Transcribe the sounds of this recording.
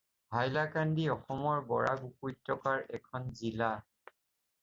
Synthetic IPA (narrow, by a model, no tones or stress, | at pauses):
bʱajlakandiɔxɔmɔɹbɔɹa̰ɡukujtʰːɔkaɹɛkʰɔnzila